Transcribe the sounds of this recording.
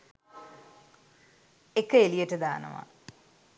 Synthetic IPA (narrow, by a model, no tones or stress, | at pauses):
ekːəelijəʈəd̪aːnə̰ʋa̰